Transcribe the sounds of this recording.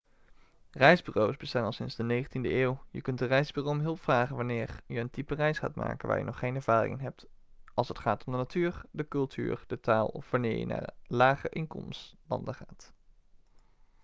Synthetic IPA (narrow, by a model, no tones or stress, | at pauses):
rɛjzbyːrowsbəstaːnɑlˠsɪnzdənejχəntindəeːwjəkɵntdərɛjzbyːrowmɦɵlˠpfraːχənʋanɪːɹjəəntipərɛjsχa̰ːtma̰ːkənʋa̰ːɹjə̰nɔχːejnɛɹv̥aːrɪ̰ŋənɦɛp̚t | ʔɑlˠsətχaːtɔmdənatʰyːɹdəkɵlˠtʰy̰ːrd̥ətaːlˠɔfʋanɪːɹjə̰na̰ːrlaːχə̰ʔɪŋkɔ̰mstlɑ̰ndəχaːt